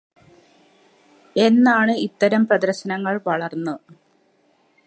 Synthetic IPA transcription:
e̞nːaːɳɨit̪ːɐɾɐmprɐd̪ɐrɕɐnɐŋːɐɭʋɐɭɐrnːɨ

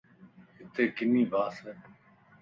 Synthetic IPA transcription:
ɦɪt̪eːkɪniːbaːsɛː

